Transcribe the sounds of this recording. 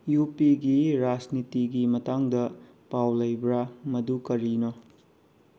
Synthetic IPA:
jupiɡiɾad͡ʒnitiɡimɐtaŋdɐ | pawlɐjbɾamɐdukɐɾino

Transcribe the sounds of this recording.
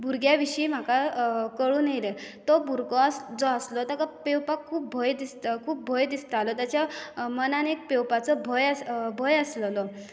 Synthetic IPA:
bʱuɾɡjaʋiɕiːm̤akakəɭuːnejlət̪ɔbʱuɾɡɔəsd͡zɔəslɔt̪əɾkapewpakʰuːp̚bʱɔjd̪ist̪əkʰuːp̚bʱɔjd̪ist̪alɔt̪jat͡ɕjamənanek̚pewpat͡sɔbʱɔjəsbʱəjəsləlɔ

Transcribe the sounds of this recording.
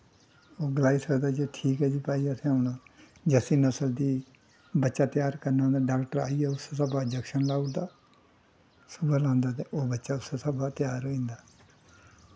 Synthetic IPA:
oːɡəlaːiːsəkd̪aːd͡ʒeːʈʰiːkɦɛːd͡ʒiːpaːiːəsẽːoːnaː | d͡ʒəsiːnəsəld̪iː | bətːʃaːt̪jaːɾkəɾnãːd̪aːɖaːkʈəɾa̰ːiɛːʊsesəbaːd͡ʒɛkʃənlaːud̪aː | sʊbəlãːnd̪aːt̪eʔoːbətːʃaːʊsesəbaːt̪ɪjaːɾoĩːnd̪aː

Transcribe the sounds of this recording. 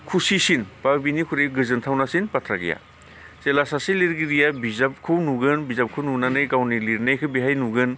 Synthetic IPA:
kʰusisinbabinikʰuɾejɡɯzɯntʰawnasinpatʰɾaɡḭja̰ | selasasiliɾɡiɾijabizap̚kʰɯwnuɡɯnbizap̚kʰɯwnunanɯjɡawniliɾnajkʰɯbiɦajnuɡɯn

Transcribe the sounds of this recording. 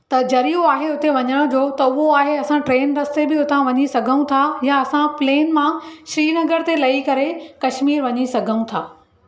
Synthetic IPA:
t̪ɐd͡ʑɐɾijuaːɦeʊt̪eʋɐɲəɽ̃d͡ʑoːt̪ɐʊɦoaːɦeɐsãʈɾeːnɾɐst̪ebɪʊt̪ʰãʋɐɲisɐɡʱə̃ũt̪ʰajaɐsãpleːnmãʃɾiːnɐɡəɾt̪elɐikɐɾekɐʃmiːɾʋɐɲisɐɡʱəũt̪ʰaː

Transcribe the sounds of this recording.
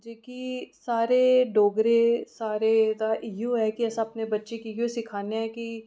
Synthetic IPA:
d͡ʒeːkisaːɾeɖoːɡɾesaːɾed̪aʔjoɦɛkiɛːsãɐpnebɐtːʃekiɡosɪkʰaːneɦɛki

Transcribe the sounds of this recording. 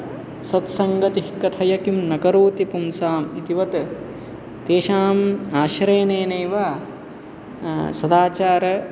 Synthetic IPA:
sɐt̪sɐŋɡɐt̪ihkɐt̪ʰɐjɐkimnɐkɐɾuːt̪ipumsaːmit̪iʋɐt̪ | t̪eːʃaːmaːʃɐɾeːneːnejʋaː | sɐd̪aːt͡ʃaːɾɐ

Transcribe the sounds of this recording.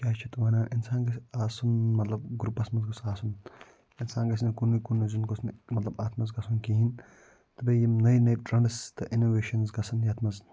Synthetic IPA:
kʲaːt͡ʃʰit̪ɐʋɐːnaːʔinsaːnɡɐsaːsunmɐt̪lɐb̚ɡɾupɐsmɐnzɡosaːsun | insaːnɡɐs̬nikunːukunːuzunɡosnimɐt̪lɐbaːt̪ʰmɐzɡɐsʰunkiɦin | t̪ɨbɐjimnɐjnɐjʈɾɐɳɖɐst̪ɐʔinoːʋeːʃɐnzɡɐsʰɐnjɐːt̪ʰmɐz

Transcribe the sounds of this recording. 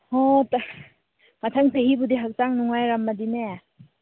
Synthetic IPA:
hɔt | matʰaŋseɦibudiɦak̚taŋnuŋajɾamːadine

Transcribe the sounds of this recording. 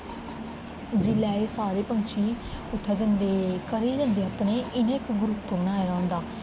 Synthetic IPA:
d͡ʒɪlɛːeːsaːɾeːpəŋkt͡ʃʰiːʊt̪ʰːaːd͡ʒənd̪eːkəɾeːd͡ʒə̃nd̪eːaːpɳeːʔɪnẽɪkɡɾʊpːoːɳaːeːɾɔ̃ːnd̪aː

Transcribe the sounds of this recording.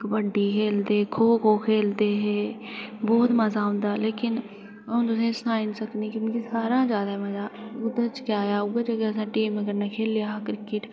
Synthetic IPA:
kbəɖːiːkʰeːld̪eːkʰoːkʰoːkʰeːld̪eːɦɛːbɔːt̪məzaːɦʊ̃nd̪aːleːkɪn | õt̪ʊsẽːsãːɪnsəkniːkimʊd͡ʒesaːɾãːd͡ʒjaːd̪aːɦɛməzaːʊd̪ət͡ʃkjaːjaːuːɡad͡ʒeɡəəsãːʈiːməɡəɾnakʰeːljaːkɾɪkɪʈ

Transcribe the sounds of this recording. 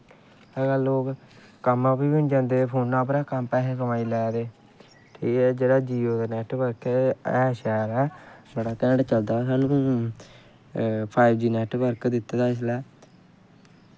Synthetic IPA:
əɡaːloːk | kəmːãːpiːʊnd͡ʒãːnd̪eːpʰoːnãːpɾaːkəmpɛːɦeːsəmaːiːlɛːd̪eː | ʈʰiːkɛːd͡ʒeːɽaːd͡ʒiːoːd̪aːnɛːʈʋəɾkːɛːʃaːɾɛːbəɽaːt̪ɛ̃ːɳɖt͡ʃəld̪aːsaːnũː | pʰaːɪbd͡ʒiːnɛːʈʋəɾkd̪ɪt̪ːaːd̪aːs̬lɛː

